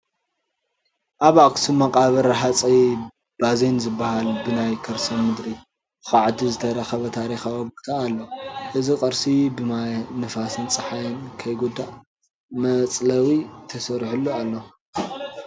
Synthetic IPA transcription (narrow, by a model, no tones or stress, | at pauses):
ʔaβaksɨmɐkʼaβɐɾɐħat͡sʼij | b̥azenzɨbːahalbɨnajkʰɐɾsɐmɨd̪ɾi | ɨxaʕt̪ʰizɨt̪ʰɐɾɐxɐβɐt̪ʰaɾixawoβkt̪ʰaːlːɐʔɨzikʼɐɾsibɨmajnɨfasɨnt͡sʼɨħajɐnkʰɐjɡud̪ːaʔ | mɐt͡sʼlɐwit̪ʰɐsɐɾħulːualːɐ